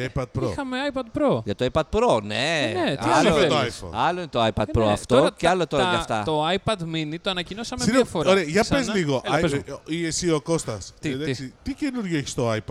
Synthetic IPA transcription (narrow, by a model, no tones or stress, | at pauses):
ejpɐd̪̚pɾoxɐmeajpɐd̪pɾoʝɐt̪oajpɐd̪̚pɾoneneialɐot̪oajfɐ̰ɐloinet̪oajpɐd̪pɾoɐ̰ft̪o̞ceɐlot̪oɾɐʝɐft̪ɐ̰t̪oɐjpɐd̪minit̪oɐnɐcinosɐmeiɐfoɾoɾeɐʝɐpezliɣoʔaziesiokost̪ɐseðɐsit̪icenuɾʝoeçi̥st̪oajp̪